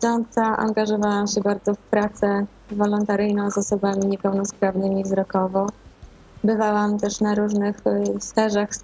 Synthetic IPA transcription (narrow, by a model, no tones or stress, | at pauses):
ɔnt̪saʔa̰ŋɡaʐɔvawamɕɛbaɾd̪zɔfpɾat̪sɛ | vɔlɔnt̪aɾɘjnɔ̃w̃zɔsɔbamʲiɲɛpɛwnɔspɾavnɘmʲivzɾɔkɔvɔ | bɘvawamt̪ɛʂnaɾuʐnɘxst̪ɛʐax